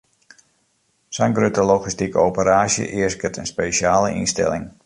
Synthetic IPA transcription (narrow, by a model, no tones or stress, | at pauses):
sɛjnɡrøtəloɣistikəowpəɾaːsjə̰ʔɪəskətʰənspeːʃaːləʔḭnstɛ̰lɪ̰ŋ